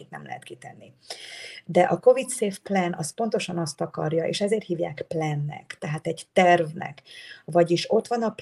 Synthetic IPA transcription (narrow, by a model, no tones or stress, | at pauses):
it̪nɛ̰mlɛ̰ɦɛt̪kit̪ɛnːi | d̪ɛʔɒko̞vit̪seːfplɛnʔɒspo̞n̪t̪o̞ʃɒnɒst̪ɒkɒrjɒʔḛːʃɛzeːrt̪hiːvja̰ːkplɛnːɛ̰kt̪ɛɦaːt̪ɛɟt̪ɛrvnɛ̰kvɒɟiʃo̞t̪ʋɒnɒp